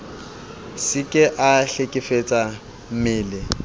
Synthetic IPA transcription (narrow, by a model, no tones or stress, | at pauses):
sɪkʼɪʔaɬekʼɪfet͡sʼa | m̩mɪːlɪ